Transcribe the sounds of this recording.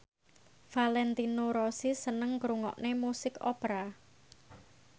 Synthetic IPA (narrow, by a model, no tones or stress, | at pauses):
falɛnt̪inoɾosisənəŋkɾuŋɔ̰ʔnemusɪkɔ̰pɾa